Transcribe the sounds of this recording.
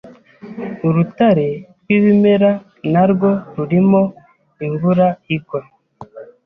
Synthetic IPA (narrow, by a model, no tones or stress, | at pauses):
uɾutaɾe | wiβimeɾa | naɾɡoɾuɾimo | iɱvuɾaiɡwa